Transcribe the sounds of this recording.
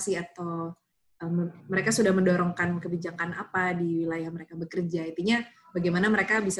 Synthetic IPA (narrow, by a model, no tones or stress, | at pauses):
siat̪aw | əmməɾekasudahməndɔɾɔŋkankəbid͡ʒakanapadiwilajahməɾekabəkərd͡ʒait̪uɲa | baɡajmanaməɾekabis